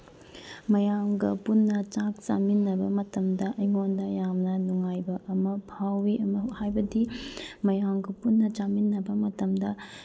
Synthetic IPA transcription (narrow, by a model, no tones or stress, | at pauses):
mɐjaŋɡɐpunːɐt͡ʃak̚t͡ʃa̰minːɐbɐmɐtɐmdɐʔɐjŋondɐjamnɐnuŋajbɐʔɐmɐpʰawiʔɐmɐhajbɐdimɐjaŋɡɐpunːɐt͡ʃaminːɐbɐmɐtɐmdɐ